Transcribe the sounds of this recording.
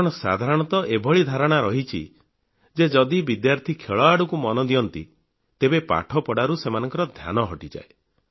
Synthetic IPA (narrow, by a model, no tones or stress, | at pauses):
ɔɽ̃ɔsa̰d̪ʱaɾɔɽ̃ɔt̪ɔʔebʱɔɭid̪ʱaɾɔɽ̃aɾɔɦit͡ʃʰḭ | d͡ʒed͡ʒɔd̪ibid̪jaɾt̪ʰikʰeɭaɽukumɔnɔd̪ijɔnt̪ḭ | t̪ebepa̰ʈʰɔpɔɽaɾusemanɔŋkɔɾɔd̪ʱja̰nɔɦɔʈid͡ʒa̰e